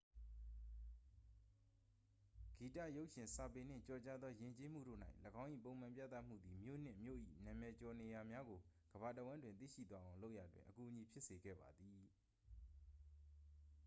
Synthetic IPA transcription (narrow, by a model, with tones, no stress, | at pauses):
ɡ̥i˨ta̰˦˨jo˦ʊʔʃɪ̃˨nsa˨pe˨n̥ɪ̰̃˦˨t͡ɕɔ˨t͡ɕa˦d̪ðɔ˦jɪ̃˨ɲt͡ɕe˦m̥ṵ˦˨ɾo̰˦˨n̥a̰˦ɪʔləɡã˦ʊ̃ʔḭ˦˨p̬õ˨ʊ̃m̥ã˨mpja̰˦˨t̪a˦˨m̥ṵ˦˨d̪i˨mjo̰˦˨n̥ɪ̰̃˦˨mjo̰˦˨ʔḭ˦˨nã˨mɛ˨t͡ɕɔ˨ne˨ja˨mja˦ɡo˨ | ɡ̥əba˨təwã˦ndwɪ̃˨nt̪̬ḭ˦˨ʃḭ˦˨t̪wa˦ʔã˨ʊ̃lo˦ʊʔja˨dwɪ̰̃˨ʔəku˨ʔəɲi˨pʰjɪ˦ʔse˨ɡɛ̰˦˨ba˨d̪ði˨